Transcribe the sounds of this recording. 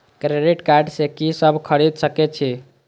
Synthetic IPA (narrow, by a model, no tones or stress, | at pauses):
kɾeɖiʈkaɾɖsekisəbʱkʰəɽid̪səkɛt͡ʃʰi